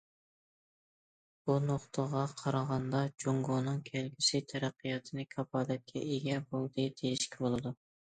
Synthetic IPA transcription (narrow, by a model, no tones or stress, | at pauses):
bunoχt̪ʰəʁɑqʰɑɾɑʁɑnd̪ɑd͡ʒoŋɡonɨŋkʲʰɛlɡʲisɪt̪ʰæɾæqʰːɨjɑt̪ʰɨnɪkʲʰɑbɑːd̪ɛt̪̚kʲʰɛ̰ʔeɡʲɛbolˠd̪ɨd̪ejiʃkʲʰibolˠɨd̪u